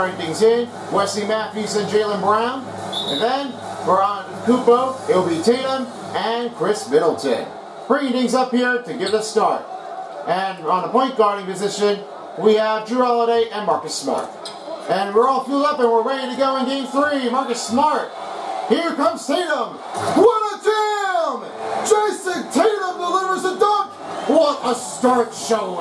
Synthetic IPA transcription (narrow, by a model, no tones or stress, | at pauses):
ɪ̃dɪ̃ŋzɪ̃n | wɛsĩmæfjʉzɨ̃nd͡ʒeɪlˠə̃nbɹãʊ̃n | ɨ̃nðɨ̃n | b̥ə˞ɑ̃nɨ̃nkʰup̚oʊɪtl̩ˠbitʰeɪlˠə̃n | ɨ̃nkʰɹ̥ɪsmɪɾl̩ˠtʰɨ̰̃n | pʰɹ̥ɪɾĩðɪ̃ŋzʌphiɹɾɨɡɛt̪̚ðɨstɑɹɾ̚ | ɨ̃nə̃nðəpʰɔ̃ɪ̃nɡ̥ɑɹɾɪ̃ŋpɨzɪʃɨ̃n | wiəvd͡ʒəælˠəɾeɪʔɨ̃nmɑɹkɨsmɑ̰ɹt | ɨ̃nwəɹɔlˠfilˠdʌpɨ̃nwəɹweɾɪ̃ŋtɨɡoʊə̃ndĩnθɹimɑɹkɨsmɑɹt̚hiɹkʌ̃mz̥tʰeɪɾə̃m | wʌɾədʰɪm̥ | d͡ʒ̥eɪsɨ̃ntʰeɪɾə̃mdəlɪvə˞zədʌ̃k | wɾəstɑɹtʃoʊ